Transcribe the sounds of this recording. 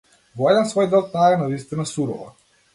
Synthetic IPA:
vɔɛd̪ɛnsvɔjd̪ɛlˠt̪najɛnavist̪inasuɾɔ̰va̰

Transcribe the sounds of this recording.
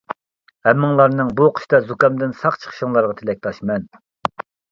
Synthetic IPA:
hɛmːɨŋlˠɑɾnɨŋbuqʰə̥ʃt̪ɑzukɑmd̪ɪnsɑqt͡ʃʰə̥χʰə̥ʃəŋlˠɑɾʁɑt̪ʰɪlɛk̚ʲt̪ʰɑʃmɛn

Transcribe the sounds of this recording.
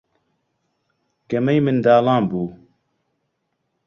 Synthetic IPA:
kɐmɐjmɨnd̪aːlaːmbuː

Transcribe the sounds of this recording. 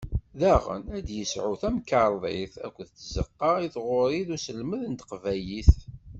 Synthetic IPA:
ðæʁə̰næd̪jəsʕuθæmkɑɾˤðˤiθæ̰kʷːðt͡sːzə̰qːɑiθʁʊɾˤiðusəlməðənt̪qvæjiθ

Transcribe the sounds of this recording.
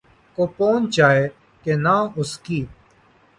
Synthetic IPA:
koːpoːnt͡ʃaːeː | kenãːʊskiː

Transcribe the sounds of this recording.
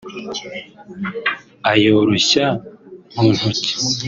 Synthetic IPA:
ajoːɾoɕamun̥huci̥

